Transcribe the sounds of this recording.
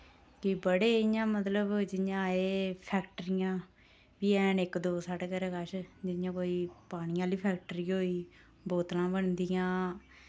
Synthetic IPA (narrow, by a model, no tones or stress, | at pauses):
kɪbəɽeːɪjãːmət̪ləbd͡ʒɪjãːeːpʰɛːkʈəɾɪjãː | ʋiːɛːnɪkd̪oːsaʈkəɾekaʃd͡ʒɪjãːkoːiːpaːɽ̃ɪjãːliːpʰɛːk̚ʈɾiːɦoːiː | boːt̪lãːbəɳd̪ijãː